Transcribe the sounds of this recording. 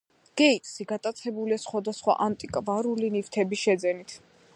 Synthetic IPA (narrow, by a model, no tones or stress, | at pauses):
ɡ̥ɛit̪ʼsiɡat̪ʼat̪sʰɛbuliasχwad̪asχwa̰ʔant̪ʼikʼvaɾulinift̪ʰɛbiʃɛd̪zɛnit̪ʰ